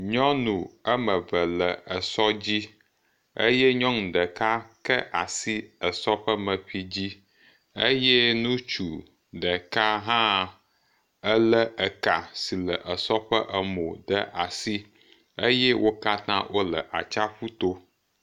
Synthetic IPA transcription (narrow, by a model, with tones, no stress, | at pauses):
ɲɔ̃˦nũ˨ə˦mə̃˨və˨lə˨ə˨sɔ˦d͡ʑi˦ | ə̰˦jɛ˦ɲɔ̃˦nũ˨ɖə˨ka˦kə˦ʔa˨si˦ə˨sɔ˦ɸə˦mə˨ɸi˦d͡ʑi˦ | e˦jɛ˦nũ˦t͡ʃu˨ | ɖə˨ka˦ɦã˦ | ə˦lə˦ʔə˨ka˨si˨lə˨ʔə˨sɔ˦ɸə˦ʔə˨mo˨ɖə˦ʔa˨si˦ | e˦jɛ˦wo˦ka˦t̪ã̰˦wʔo˦lə˨ʔa˨t͡ʃa˦ɸu˦t̪o˦